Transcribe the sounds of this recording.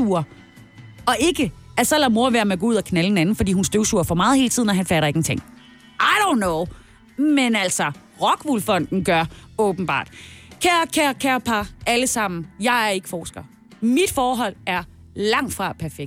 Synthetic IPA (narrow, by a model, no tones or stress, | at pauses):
uɐ | ɒ̽ʔe̝ɡ̥əæsɒ̽læmo̝ɐʋeɐmeɡ̥ɔːuð̰ˠɐkʰnæləhenænn̩fɒdḭːhunsd̥øʊsuɐfɒmɑ̈ːðˠhe̝ːlət͡sʰiðˠnɒ̽ɦænfæɾɐe̝ɡ̥n̩t͡sʰeŋ̰ | ʔaɪɾõʊ̃nːoʊ | menæl̰sɒ | ʁɒ̽ɡ̥ʋulfɒ̽n̰d̥n̩ɡ̥ɶɐɔ̽ːb̥n̩b̥ɑ̰̈ːd̥kʰæɐkʰæɐkʰæɐpʰɑ̈ʔæləsɑ̈m̰n̩jɑ̈ɪæɐe̝ɡ̥ə̥fɒːsɡ̥ɐ | mid̥fɒːɦɒ̽l̰æɐ | lɑ̈ŋ̰d̥fʁɑ̈pʰæɐfeɡ̥̚